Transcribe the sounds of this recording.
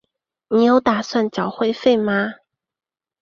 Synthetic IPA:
ni˨˩jo˥ʊt̪a˨˩swa˥˩nt͡ɕjɑ˨˩ʊxwe˥˧ɪfe˥˧ɪma˧

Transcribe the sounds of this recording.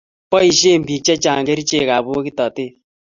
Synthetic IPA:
pɔ˦i˨ʃe˦˨m̩˨bi˨k̚t͡ʃɛ˦t͡ʃa˨ŋ˨kɛ˦ɾi˦t͡ʃe˦˨ka˨bo˦ki˦tɔ˨te˦˨

